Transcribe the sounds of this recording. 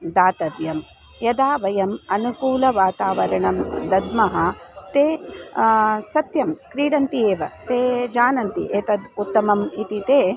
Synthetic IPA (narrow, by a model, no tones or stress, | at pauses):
d̪aːt̪ɐʋjɐm | jɐd̪aːʋɐjɐmɐnukuːlɐʋaːt̪aːʋɐɾɐɳɐmd̪ɐd̪mɐɦɐt̪eː | sɐt̪jɐmkɾiːɽɐnt̪ieːʋɐt̪eːd͡ʒaːnɐnt̪ḭʔeːt̪ɐd̪ut̪ːɐmɐmit̪it̪eː